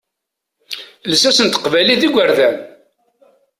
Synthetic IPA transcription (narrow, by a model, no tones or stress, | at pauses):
ləsæsənt̪ə̥qvæliðiɡʷəɾðæn